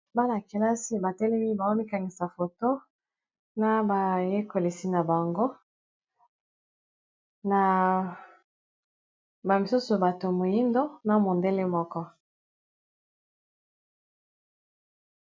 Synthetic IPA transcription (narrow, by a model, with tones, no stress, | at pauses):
ba˦la˨ke˨la˦si˦ba˨tɛ˦lɛ˦mi˦ba˨o˦mi˦ka˨ŋɡi˨sa˨fo˨to˦ | na˦ba˨je˦ko˨li˨si˦na˨ba˨ŋɡo˦ | na˨ | ba˨mi˨su˦so˨ba˨to˨mo˨ji˦ndo˦na˨mo˨nde˦le˦mɔ˦kɔ˦